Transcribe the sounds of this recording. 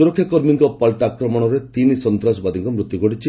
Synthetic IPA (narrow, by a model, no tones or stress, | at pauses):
uɾɔkʰjakɔɾmiŋkɔpɔlʈakɾɔmɔɽ̃ɔɾet̪inisɔnt̪ɾasɔbad̪iŋkɔmɾut̪ːjuɡɔɽit͡ʃʰi